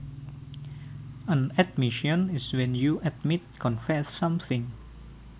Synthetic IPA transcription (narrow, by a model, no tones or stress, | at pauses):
ə̃nɛd̚miʃɔ̃niswɛ̃njuʔatmit̚kʰɔ̃nfɛsːãmθɪ̃ŋ